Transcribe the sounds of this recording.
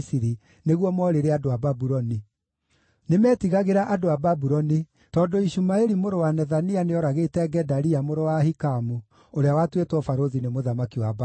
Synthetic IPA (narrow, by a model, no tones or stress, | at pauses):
siɾi | neɣwɔmɔɾeɾeadoababuɾɔni | nemɛːtiɣaɣeɾaʔadoababuɾɔni | tɔːdoiɕumaeɾimoɾowanɛðanianeɔɾaɣetɛɡɛdaɾiamoɾowahikamu | oɾeawatwetwɔfaɾoðinemoðamakiwab